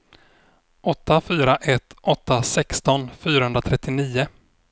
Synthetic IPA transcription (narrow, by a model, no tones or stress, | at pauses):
ʔɔt̪ːafyːɾaʔɛt̪ːʔɔt̪ːasɛkst̪ɔnfyːɾahɵnɾat̪ʰɾɛt̪ːɪniːʊ